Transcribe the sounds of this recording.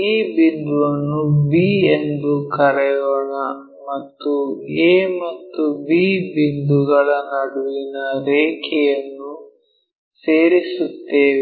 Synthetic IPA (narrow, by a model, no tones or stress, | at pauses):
iːbind̪uʋɐnːubiːend̪ukɐɾɛjɔɳɐ | mɐt̪ːueːmɐt̪ːubiːbind̪uɡɐɭɐnɐɽuʋinɐɾeːkʰɛjɐnːu | seːɾisut̪ːeːʋi